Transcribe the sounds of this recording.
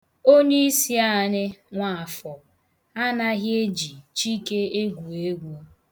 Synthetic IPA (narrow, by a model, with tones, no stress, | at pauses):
o˦ni˦si˦a˦˨nɪ˦ŋʷa˨a˨fɔ˨ | a˦na˦ɦje˦d͡ʒi˨t͡ʃi˦ke˦e˦ɡʷu˨e˦ɡʷu˨˦a˦